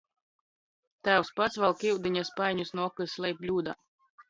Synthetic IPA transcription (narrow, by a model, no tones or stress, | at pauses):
t̪æːwspat̪svalˠkiwd̪iɲʲaspajɲusnuɔkɨslˠɛjplʲuːd̪a